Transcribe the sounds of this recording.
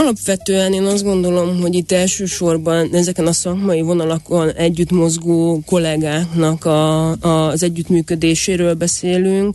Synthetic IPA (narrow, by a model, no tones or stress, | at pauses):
ɒlɒpʋɛt̪øːɛneːnɒzɡo̞nd̪o̞lo̞mɦo̞ɟit̪ːɛlʃøːʃo̞rbɒnɛzɛkɛnɒsɒkmɒjivo̞nɒlɒko̞nɛɟːyt̪mo̞zɡoːko̞lɛɡaːknɒkɒɒzɛɟːyt̪myːkø̞d̪eːʃeːɾøːlbɛseːlyŋk